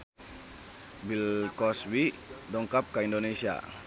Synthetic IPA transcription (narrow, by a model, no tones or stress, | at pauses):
bilkɔswi | dɔŋkap̚kaindonesia̰